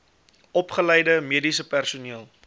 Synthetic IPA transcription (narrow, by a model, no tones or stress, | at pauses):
ɔpχələjdəmiədisəpærsuniəlˠ